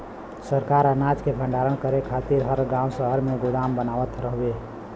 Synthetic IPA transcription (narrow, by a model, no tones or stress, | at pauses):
səɾkaɾənad͡ʒkebʰʱə̃ɳɖaɾənkəɾekʰat̪iɾɦəɾɡãwsəɦəɾmeɡʊɽambənaʋət̪ɾəɦbe